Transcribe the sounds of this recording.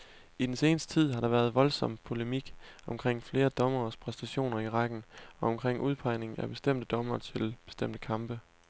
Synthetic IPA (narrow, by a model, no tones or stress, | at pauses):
id̥ense̝ːnəsd̥ə̥t͡sʰið̞̰ˠɦɑ̈ɾ̥ɑ̈ʋæɐð̞ˠʋɒ̽lsɒ̽m̰pʰo̝lemiɡ̥ɒ̽mkʰʁeŋ̰fle̝ːɐd̥ɒ̽mɐːspʰʁɛsd̥æɕo̝̰ːnɐiʁɑɡ̥n̩ɒ̽ɒ̽mkʰʁeŋ̰ʔuð̞ˠpʰɑ̈ɪne̝ŋæb̥e̝sd̥em̰d̥əd̥ɒ̽mɐːt͡sʰe̝lb̥e̝sd̥em̰d̥əkʰɑ̈mb̥ə